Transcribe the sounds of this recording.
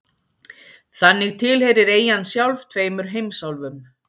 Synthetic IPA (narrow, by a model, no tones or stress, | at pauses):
θanːɪɣt̪ʰɪlhɛɾɪɾeːjansjawlvt̪ʰveːjmʏɾ̥ɦejmsawlvʏm